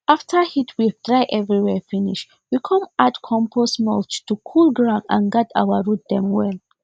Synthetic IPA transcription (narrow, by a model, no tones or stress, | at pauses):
ʔaftʰə˞hitʰwit̪ɹaɪʔɛvɹiwɛfinḭʃ | wikʰʌ̃matkʰɔ̃mpʰɔsmɔlt͡ʃtukʰulɡɹãʊ̃ndã̰nɡatʰa̰wəɹut̚d̪ɛ̃mwɛl